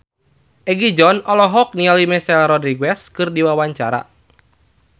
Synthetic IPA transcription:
ʔɛɡid͡ʒɔnɔlɔɦɔk̚nialimɛsɛlrɔdɾiɡɛskɨrdiwawaɲt͡ʃaɾa̰

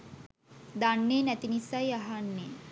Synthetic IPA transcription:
d̪aɳːenɛt̪inisajɐɦanːe

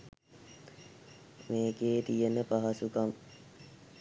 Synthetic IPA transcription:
meːkeːt̪ijenəpaɦɐsukam

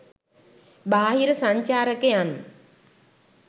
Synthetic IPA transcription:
baːɦiɾəsaɲt͡ʃaːɾəkejan

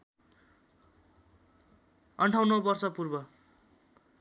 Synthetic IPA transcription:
ʌɳʈʰaw̃nʌbʌrsʌpurbʌ

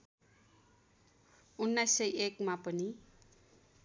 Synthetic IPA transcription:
unːajsːʌjʔekmapʌni

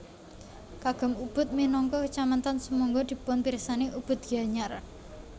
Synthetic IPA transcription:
kaɡ̥ɔ̤mub̥ʊ̤t̪̚minɔŋkɔkət͡ʃamant̪ansəmuŋɡod̪̥i̤pʊnpiɾəsaneʔub̥ʊ̤t̪̚ɡ̥a̤ɲar

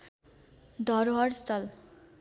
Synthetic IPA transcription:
d̪ʱʌɾɦʌɾst̪ʰʌl

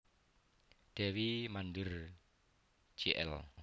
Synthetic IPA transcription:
d̥ɛwimandɪr | d͡ʒ̥iʔɛ̰l

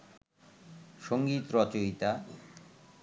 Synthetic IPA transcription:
ʃoŋɡit̪ɾɔt͡ɕoɦit̪a

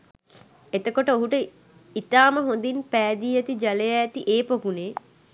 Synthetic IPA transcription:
et̪əkoʈəoɦuʈə | it̪aːməɦond̪inpæːd̪iːɐt̪id͡ʒalejaːt̪iʔeːpokuneː

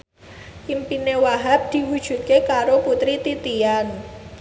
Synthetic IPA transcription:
ʔimpinewaɦap̚d̪̥i̤wud̥ʒ̥ṳt̪̚kekaɾoput̪ɾit̪it̪ian

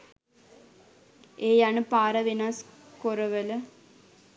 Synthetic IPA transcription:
eːjaːɳɨpaːɾɐʋinaːskoɾɐʋɐlɨ

